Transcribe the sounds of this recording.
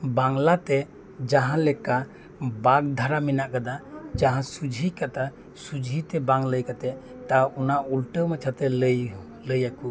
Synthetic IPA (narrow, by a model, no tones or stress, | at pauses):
baŋlat̪e | d͡ʒaɦãlɛka | baɡ̚d̪ʱaɾaminaʔkad̪ad͡ʒaɦãsud͡ʒikat̪a | sud͡ʒit̪ɛbaŋləjkat̪ɛ | t̪aunaulʈəmat͡ʃʰat̪ɛləj | ləjaku